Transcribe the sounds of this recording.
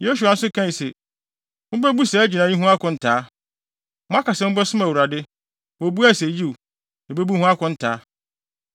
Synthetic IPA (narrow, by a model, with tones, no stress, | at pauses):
jo˦su˨a˨n̩˦sʊ˦kʰã˦i˨sɛ˨ | m̃˦bɛ˦bu˦sɛ˨˦d͡ʑi˨nã˨˦i˦ɦũ˦a˦kʰʊ̃˨n̩˦tʰaː˨˦ | mʊ̃˦a˦ka˨sɛ˦ʊ̃˦bɛ˦sʊ̃˦ma˨wu˨ɾa˨dɪ˦ | wɔ˨bu˦æ˦˨se˨˦ji˦˨ | ne˨be˦bu˦hũ˦a˦kʊ̃˦n̩˦tʰaː˨˦